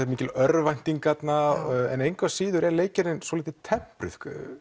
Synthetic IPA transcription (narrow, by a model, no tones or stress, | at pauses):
ɛt̪miːcɪlœɾvajn̥t̪iŋkat̪naɛ̰nejŋkvasiːðʏɾɛɾleːjcɪɾɪnswoɔliːt̪ɪt̪ʰɛm̥pɾʏ̰θ